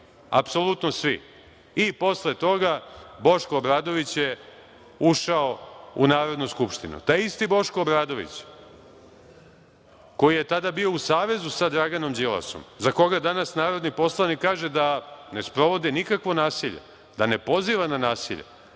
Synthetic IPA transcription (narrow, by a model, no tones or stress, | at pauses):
a̰pso̞lˠut̪nosʋḭ | ipo̞slet̪o̞ɡabo̞ʃkoːbɾaːd̪o̞ʋit͡ɕje̞ | uʃao̞ṵnaːɾo̞d̪nuskupʃt̪inṵt̪aːjist̪ibo̞ʃkoːbɾaːd̪o̞ʋḭt͡ɕ | ko̞jijet̪ad̪abio̞usaːʋe̞zusad̪ɾaɡano̞md͡ʑilˠa̰so̰mzako̞ɡad̪anasnaːɾo̞d̪nipo̞slˠanikːaːʒed̪ane̞spɾo̞ʋo̞d̪inikakʋo̞naːsiʎe̞̰ | d̪ane̞po̞ziːʋananaːsḭʎḛ